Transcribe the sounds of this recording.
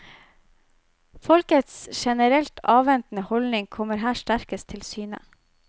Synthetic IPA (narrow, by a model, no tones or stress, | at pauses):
fɔlkət̪sʃɛnəɾɛlt̪ʰɑːʋɛnt̪n̩əhɔlnɪŋkʰɔməɾɦæːʃʈæɾkəst̪ʰɪlsyːnə̰